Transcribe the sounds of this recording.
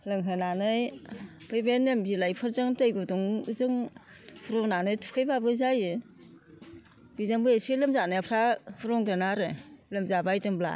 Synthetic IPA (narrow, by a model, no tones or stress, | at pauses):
lɯŋɦɯnanɯj | b̥ɯjbenembilajpʰɯɾzɯŋtɯjɡuduŋɯzɯŋbuɾɔŋnanɯjtʰu̥kʰɯjbabɯzajɯ | bizaŋbɯjesilɯmzanɯjapʰɾabuɾɔŋdɯnaɾɯlɯmzabajdɯŋbla̰